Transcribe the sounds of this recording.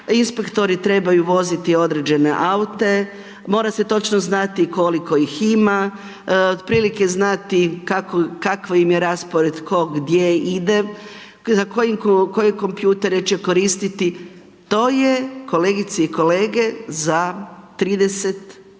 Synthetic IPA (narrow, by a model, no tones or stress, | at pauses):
inspekt̪o̞ɾit̪ɾe̞bajuʋo̞zit̪io̞d̪ɾe̞d͡ʒe̞ne̞̰ʔaut̪e̞ | mo̞ːɾase̞t̪o̞t͡ʃnoznat̪iko̞liko̞ixima | od̪̚pɾiːlike̞znat̪ikakokakʋajimjeɾaspoɾe̞d̪kʰo̞ɡd̪jeid̪e̞ | zako̞jimko̞jeko̞mpjuːt̪e̞ɾet͡ʃeko̞ɾist̪it̪i | t̪o̞ːjeko̞leːɡit̪saiko̞leːɡe̞zat̪ɾiːd̪eset̪